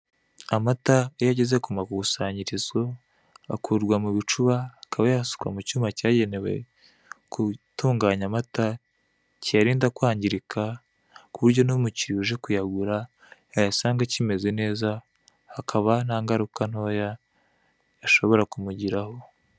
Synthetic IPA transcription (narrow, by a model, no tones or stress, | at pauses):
amatajaɟeze̞kumakuβusaːɲɟiɾizɡo̞ | a̰kuːɾɡwamuβit͡ʃuβaakaβajahsu̥kwa̰mucuːmacaːɟe̞ne̞we̞̰ | kutuːŋɡaːɲamata | cijaɾiːndakwaːɲɟiɾikʰa | kuβuɾɟo̞nomuciɾuʒe̞kujaɡuɾa | ajasaːŋɡacime̞ze̞ne̞ːza | hakʰaβan̥aːŋɡaɾukan̥o̞ːja | jaʃo̞βo̞ɾakumuɟiɾaho̞